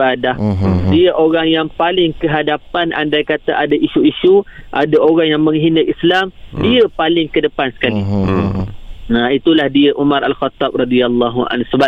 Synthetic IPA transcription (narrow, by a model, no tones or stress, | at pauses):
adahdiəʔoɾaŋjaŋpalɪŋkəɦadapanʔa̰ndajkat̪aʔadaʔiʃuiʃuʔadaʔoɣaŋjaŋməŋɦinəʔislamdiəpalɪŋkədəpansə̥kali | nait̪ulahdiəʔumãɾʔalxat̪ːɑb̚rɑdialːɑɦuʔa̰nsəba